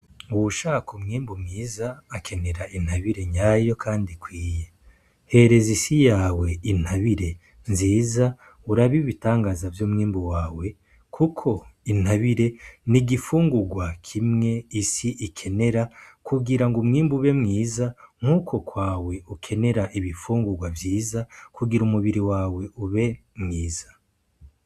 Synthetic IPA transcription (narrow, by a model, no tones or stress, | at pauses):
uwuʃaːkumŋiːmbumŋiːzaːkʰe̞ne̞ɾaʔin̥haβiɾe̞ɲaːjo̞kʰaːndikwiːje | he̞ɾe̞zisijaːwe̞in̥haβiɾe̞ | nziːza | uɾaβiβitaːŋɡazavjoːmŋiːmbuwaːwe̞ | kʰukʰo̞in̥haβiɾe̞niɡifuːŋɡuɡwakʰimŋe̞isiʔikʰe̞ne̞ɾakʰuɡiɾaŋɡomŋiːmbuβe̞mŋiːzaŋ̥huːkʰo̞kwaːwe̞ukʰe̞ne̞ɾaʔiβifuːŋɡuɡwavjiːzakuɡiɾumuβiɾiwaːwe̞ʔuβe̞mŋiːz̥ḁ